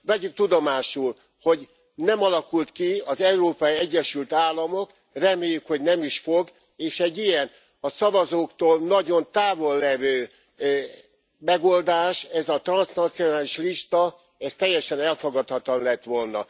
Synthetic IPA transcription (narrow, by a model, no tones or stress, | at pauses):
ʋɛɟyk̚t̪ud̪omaːʃul | ho̞ɟ | nɛmɒlɒkult̪kiɒzɛuɾoːpɒjiɛɟːɛʃylt̪aːlːɒmo̞k | rɛmeːjːykho̞ɟnɛmiʃfo̞ɡ | eːʃɛɟːijɛn | ɒsɒvɒzoːkt̪oːlnɒɟo̞nt̪aːvo̞lːɛvøː | mɛɡo̞ld̪aːʃɛzɒt̪rɒnsnɒt̪sijo̞naːliʃliʃt̪ɒ | ɛst̪ɛjːɛʃɛnɛlfoɡɒt̪hɒt̪ɒnlɛt̪ʋo̞lnɒ̰